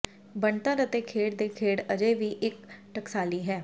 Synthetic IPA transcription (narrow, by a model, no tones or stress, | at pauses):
bəɳt̪əɾət̪eːkʰeːɽd̪eːkʰeːɽəd͡ʒeːʋiːʔɪkʈəksaːliːɦɛː